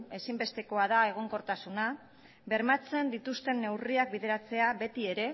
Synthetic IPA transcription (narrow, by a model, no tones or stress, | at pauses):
e̞simbe̞st̪e̞ko̞að̞ae̞ɣ̞o̞ŋko̞ɾt̪asuna | βe̞ɾmat͡se̞nd̪it̪ust̪e̞nːe̞wriak̚biðe̞ɾat͡se̞aβe̞t̪ie̞ɾe̞